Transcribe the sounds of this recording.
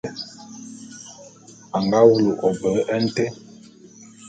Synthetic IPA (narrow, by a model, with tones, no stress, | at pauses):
a˨ŋɡa˦wu˦lu˨ʔɔ˨bə˨˦ʔɛ˦n̩˦tɛ˦